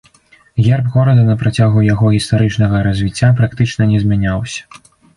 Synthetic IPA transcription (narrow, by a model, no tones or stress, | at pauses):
ɣʲɛrbɣɔɾɐd̪ɐnɐpɾat͡sʲaɣujaɣɔɣʲist̪aɾɨt͡ʂnɐɣɐɾɐzʲvʲit͡sʲːap̬ɾakt̪ɨt͡ʂnɐnʲɛzʲmʲanʲawsʲɐ̥